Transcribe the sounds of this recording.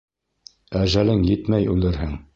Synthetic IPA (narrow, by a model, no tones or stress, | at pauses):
æʒælɘŋjɘt̪mæjʉlɘɾɦɘŋ